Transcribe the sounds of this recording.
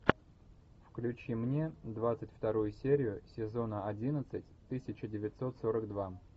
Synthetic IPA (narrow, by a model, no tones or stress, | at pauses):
fklʲʉt͡ɕimnʲe̞d̪vat̪sɨtʲft̪ɐɾujʊsʲeɾʲɪjʊsʲɪzo̞nəɐdʲinət̪sɨtʲt̪ɨsʲɪt͡ɕɪdʲɪvʲɪt̪so̞t̪so̞ɾəɡd̪va